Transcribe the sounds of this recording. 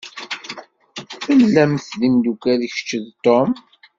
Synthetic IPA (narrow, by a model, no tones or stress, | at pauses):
fəlːæmθðimd̪ukæðiçə̥t͡ʃːəðt̪ːom